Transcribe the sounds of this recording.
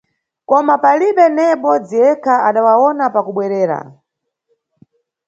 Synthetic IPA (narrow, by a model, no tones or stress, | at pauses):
kɔmapaliɓɛnɛɓɔd͡ziɛkʰaʔaɗawawɔnapakuɓwɛɾɛːɾa̰